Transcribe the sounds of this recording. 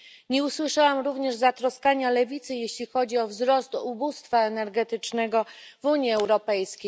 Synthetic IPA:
ɲɛuswɘʂawamɾuvɲɛʐzat̪ɾɔskaɲalɛvʲit̪sɘjeɕlʲixɔd͡ʑiɔvzɾɔst̪ubust̪faɛnɛɾɡɛt̪ɘt͡ʂnɛɡɔvuɲjiɛwɾɔpɛjskʲej

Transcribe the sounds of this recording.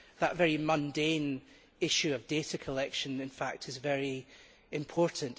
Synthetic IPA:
ðəʔvɛɹimʌ̃ndẽn | ɪʃʉəvdeʔəkʰəlˠɛkʃə̃nɪ̃nfa̰k̚tʰɪzvɛɹi | ɪ̃mpʰɔɹʔn̩

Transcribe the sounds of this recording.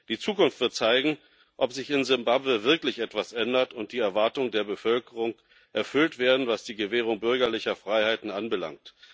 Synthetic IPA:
d̥iːt͡suːkʊnftv̥ɪɐt̚t͡saɪɡŋ̩ | ʔɔpz̥ɪçɪnzɪmbabvəvɪɐklɪçʔɛtv̥asʔɛndɐtʊnt̚d̥iːɛɐvaɐtʊŋdeːɐbəfœlkəʁʊŋ | ʔɛɐfʏltv̥eːɐdn̩vasd̥iːɡəveːʁ̞ʊŋbʏɐɡɐlɪçɐfʁ̥aɪhaɪtn̩ʔanbəla̰ŋk̚t

